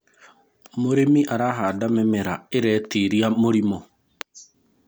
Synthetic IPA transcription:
moɾemiʔaɾaɦaːdamɛmɛɾaeɾɛtiɾiamoɾimɔ

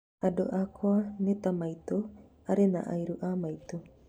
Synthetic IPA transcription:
adoʔakʰoanet̪amajt̪o | aɾena̰ʔajɾuʔamajt̪o

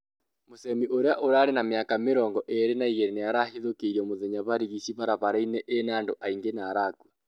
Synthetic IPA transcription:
mosɛmiʔoɾeaʔoɾaːɾenameakameɾɔːŋɡɔʔeɾenaiɣɛɾenejaɾahiðokeiɾiɔmoðɛɲaβaɾiɣisiβaɾaβaɾainɛʔenaːndoʔaiŋɡenaːɾakwa

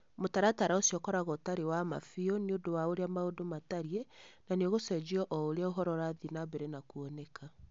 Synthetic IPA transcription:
motaɾataɾaosiɔkɔɾaɣotaɾewama̰fiɔniodowaoɾeamaodomataɾienaneoɣosɛd͡ʒiɔʔɔoɾeaoɦɔɾɔɾaðinabɛɾenakuɔnɛka

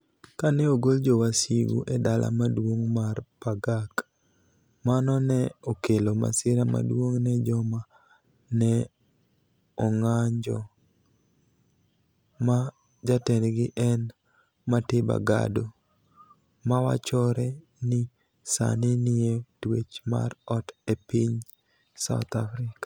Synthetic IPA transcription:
kanɛoɡold͡ʒɔwasiwṵʔɛdalʔa̰madwoŋmarpaɡak | manɔnɛokeloma̰sɪɾama̰dwoŋnɛd͡ʒɔma | nɛ | ɔŋaɲd͡ʒɔ̰ | ma | d͡ʒatɛnɡɪʔɛn | matɪba̰ɡa̰do | mawa̰t͡ʃɔɾɛ | nɪ | sa̰nɪnɪetwet͡ʃma̰rɔtepiɲ | sa̰ʊt̪afɾɪkḁ

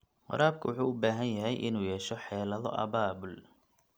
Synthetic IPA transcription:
qɑ̰ɾaːb̚kʰʊwʊħuːʊbaːɦɐnjɐɦɛjʔɪnuːjɛːʃɔħɛːlɐðɔ̰ʔɐ̰βaːbʊl

